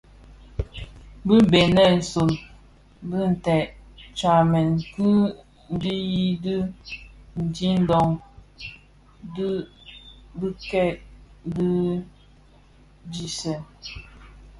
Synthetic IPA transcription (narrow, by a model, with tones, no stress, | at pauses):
bi˦be˨nɛ˦˨n̩˨so˨n | bɨ˦n̩˨tɛ˨ʔt͡ʃa˨mɛ˨n˨kɨ˦ | n̩˦di˦ji˦dɨ˦ | n̩˨di˦n̩˦dɔ˦ŋ | d | bɨ˦kɛ˦˨ʔdi˦ | d͡ʒi˦sɛ˨